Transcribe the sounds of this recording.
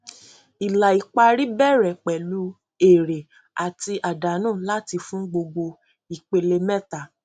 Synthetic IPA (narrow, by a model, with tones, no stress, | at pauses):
i˨la˨i˨k͡pa˧ɾi˦bɛ˦˨ɾɛ˨k͡pɛ˨lu˨˦ | e˨ɾe˨ | a˨ti˧ʔa˨da˨˦nãː˦˨la˦ti˧fũ˦ɡ͡bo˧ɡ͡bo˧ | i˨k͡pe˧le˧mɛ˦˨ta˨